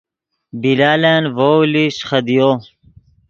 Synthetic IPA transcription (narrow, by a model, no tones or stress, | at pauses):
bilaːlenvoliɕxɐd̪ijo